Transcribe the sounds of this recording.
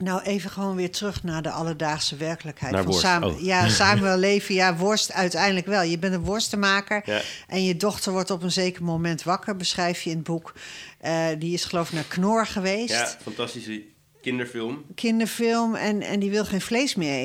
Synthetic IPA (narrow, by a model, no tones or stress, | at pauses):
nawʔeːvəχəʋoːnʋɪːɹtrøχnaːɹdəʔɑlˠəɹdaːχsəʋɛɹkələkhɛjsa̰ːjasaːməʋɛllejfəjaʋɔɹstœɥtɛjndələkʋɛlˠjəbɛntənʋʊɹstəmaːkəɹʔɛnjədɔχtəɹʋɔɹtɔpənzeːkəɹmomɛntʋɑkəɹbəsχrɛjfjəənbukʔədiɪsχəlowvɪknaːɹknʊɹχəʋejstfɑntɑstisə | kɪndəɹfɪlˠmkʰɪndəɹfɪlˠmɛnɛ̰ndiʋɪlˠχeːnflejsmɪːe